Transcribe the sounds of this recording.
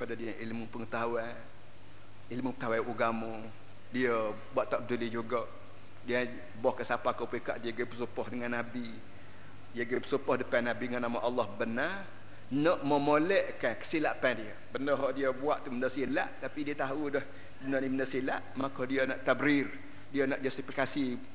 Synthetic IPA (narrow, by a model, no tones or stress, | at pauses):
əpadadiəʔilmupəŋət̪awa | ilmupət̪awaʔuɡamo | diə | buaʔt̪aʔbədulid͡ʒuɡoʔ | diə | bɔhkasapakopuika̰ʔdiəɡəbəsupɔhdəŋanːabi | diəɡəbəsupɔhdəpãnabidəŋanːamaʔɑlːɔhbəna | nəʔməmolɛʔkakə̥silaʔpɛ̃diəbəndəɦɔʔdiəbuaʔt̪uməndəsilaʔt̪apidiət̪aɦudɔh | bənəniməndəsilaʔmakodiənaʔt̪abɾir | diənaʔd͡ʒast̪ifikasi